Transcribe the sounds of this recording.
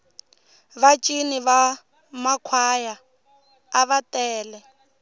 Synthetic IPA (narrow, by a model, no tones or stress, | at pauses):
βat͡ʃʼiniβa | makʰwajaː | βatʼɛːlɛ